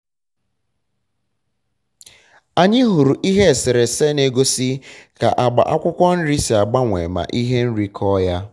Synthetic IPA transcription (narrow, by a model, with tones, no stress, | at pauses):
a˨ɲɪ˦ɦu˨ɾu˨ʔi˦ɦe˦˨sɪ˨ɾɪ˨se˦ne˦ɡo˦si˦ka˨ʔa˨ɡ͡ba̰˨ʔa˦kʷʊ˦kʷɔ˦n̩˦ɾi˦si˨a˨ɡ͡ba˦ŋʷḛ˨ma̰˨ʔi˦ɦe˦n̩˦ɾi˦kʰɔ˦ja˦